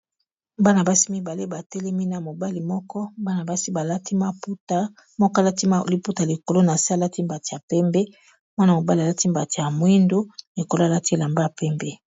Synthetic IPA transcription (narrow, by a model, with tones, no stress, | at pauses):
ba˦na˨ba˦si˦mi˦ba˨le˦ba˨tɛ˦lɛ˦mi˦na˨mo˨ba˦li˨mɔ˦kɔ˦ba˦na˨ba˦si˦ba˨lti˦ma˦pu˦ta˦ | mɔ˦kɔ˦˨la˦ti˦ma˦˨li˦pu˦ta˨li˨ko˨lo˦na˨si˦a˦la˦ti˦mba˨ti˨ja˨pɛ˦mbe˦ | mwa˦na˨mo˨ba˦li˨a˨la˦ti˦mba˨ti˨ja˨mwi˦ndo˦li˨ko˨lo˦a˨la˦ti˦e˦la˨mba˦a˨pɛ˦mbe˦